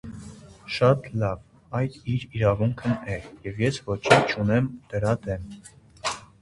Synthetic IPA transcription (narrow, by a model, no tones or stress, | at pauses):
ʃɑt̪lɑv | ɑjd̪iɾiɾɑvuŋkʰənɛjɛvjɛsvɔt͡ʃʰint͡ʃʰunɛmd̪̥əɾɑd̪ɛm